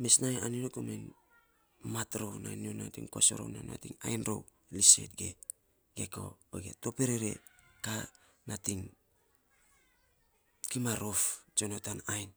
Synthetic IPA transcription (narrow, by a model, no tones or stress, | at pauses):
mesnajaniɾokomen | matɾownanionatḭŋkoso̰ɾo̰na̰na̰tiŋajnɾo̰w | lise̞̰t̚ɡḛ | ɡe̞ko̰oɡeto̞peɾeɾe̞̰ka | natiŋ | kimaɾoft͡ʃonotanajn